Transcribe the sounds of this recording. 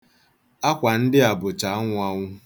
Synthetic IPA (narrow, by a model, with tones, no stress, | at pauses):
a˦kʷa˨n̩˦dɪ˦a˨bʊ˨t͡ʃa˨˦ŋʷa˦ŋʷʊ˦